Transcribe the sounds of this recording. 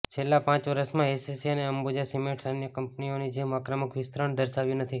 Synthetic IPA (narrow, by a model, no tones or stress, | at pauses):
t͡ʃʰelːãpãt͡ʃʋəɾəsmãesisiəneəmbod͡ʒasimeʈsənjəkəmpnionid͡ʒemakɾəməkʋɪst̪ɾəɳd̪əɾʃaʋjũnət̪ʰi